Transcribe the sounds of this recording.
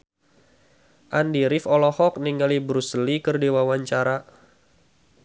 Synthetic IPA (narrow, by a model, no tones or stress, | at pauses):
ʔandiɾifɔlɔhɔk̚niŋɡalibɾuslikərdiwawaɲt͡ʃaɾa